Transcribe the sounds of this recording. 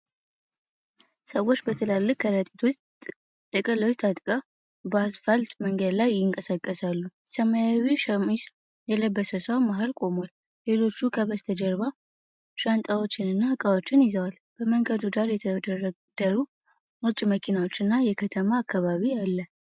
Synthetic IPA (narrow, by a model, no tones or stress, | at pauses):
səwːo̞t͡ʃːbət̪ʰəlalːɨkkʰːəɾət̪ʼi̥t̪ʰo̞t͡ʃ | t̪ʼəkʼələwt͡ʃt̪ʰat̪ʼkʼə | basfəlt̪ʼməŋɡəd̪lajɪŋkʼəsakʼːəsalːusəmajawimis | jɛləbːəsəsəwamaɦalkʼo̞mal | le̞lo̞t͡ʃːukʰəβəst̪ʰəd͡ʒɛɾβa | ʃant̪ʼawo̞t͡ʃːɪnɨnːahɨkʼawo̞t͡ʃːɪnjɪzəwal | b̥əməŋɡəd̪uɡaɾjɛt̪ʰ | d̪̥əɾu | ɨt͡ʃʼməkʰinawot͡ʃːɨnːajɛkʰət̪ʰəmaːkːaβaβijalːə